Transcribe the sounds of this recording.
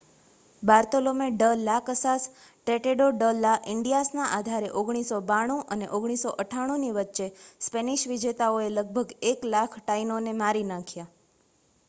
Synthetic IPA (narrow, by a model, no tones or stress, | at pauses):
baɾt̪olomeɖəlakəsas | ʈeʈeɖoɖəlaʔɪɳɖijasnaʔad̪ʱaɾeʔoɡɽ̃isobaɽ̃ũʔənḛʔoɡɽ̃isoʔəʈʰaɽ̃ũniʋətːʃespeniʃʋid͡ʒet̪aoeləɡ̚bʱəɡeklakʰʈainonemaɾinãkʰja